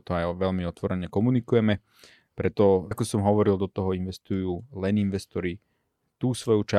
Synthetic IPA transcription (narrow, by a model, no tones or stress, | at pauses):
t̪ɔajʋɛʎmiɔt̪ʋɔɾɛɲɛkɔmunikujɛmɛ | pɾɛt̪ɔakɔsɔmɦɔʋɔɾilˠd̪ɔt̪ɔɦɔinʋɛst̪ujuːlɛninʋɛst̪ɔɾi | t̪uːsʋɔjut͡ʃa